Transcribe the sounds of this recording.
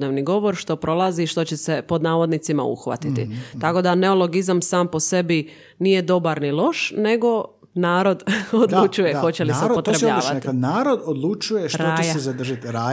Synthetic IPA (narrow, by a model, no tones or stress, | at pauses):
neʋniɡo̞ʋo̞ɾʃt̪o̞pɾo̞lˠaziʃt̪o̞t͡ɕese̞po̞d̪naːʋo̞d̪nit̪sima̰ṵxʋa̰t̪it̪ḭt̪ako̞d̪ane̞olo̞ɡizamsaːmpo̞se̞bi | nije̞d̪o̞baɾnilˠo̞ʃne̞ɡo̞ | naːɾo̞d̪od̪lut͡ʃujexo̞t͡ɕeliseupot̪ɾebaʋat̪inaːɾod̪od̪lˠut͡ʃujeʃtɾazad̪r̩ʒat̪ɾa